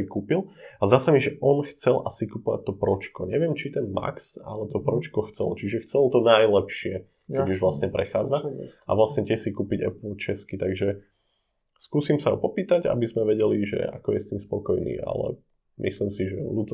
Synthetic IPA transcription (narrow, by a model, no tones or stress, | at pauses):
ikuːpilazd̪aːsamiʒɛʔɔnxt͡sɛlʔasikupɔʋa̰t̚ʲt̪ɔpɾɔt͡ʃkɔɲɛʋɪɛmt͡ʃit̪ɛnma̰ksa̰lɛt̪ɔpɾɔt͡ʃkɔxt͡sɛ̰lt͡ʃiʒɛxt͡sɛlt̪ɔnajlɛpʃɪɛ | kɛɟuʒʋlast̪ɲɛpɾɛxaːd͡zaa̰ʋlasɲɛc̪ɪɛxsikuːpiɟɛ̰pt͡ʃɛskit̪aɡʒɛ | skuːsimsaɦɔ̰pɔpiːt̪aɟa̰bizmɛʋɛɟɛliʒɛ̰a̰kɔjɛst̪iːmspɔkɔjnḭːʔa̰lɛ̰ | mʔḭslimsiʒɛlut̪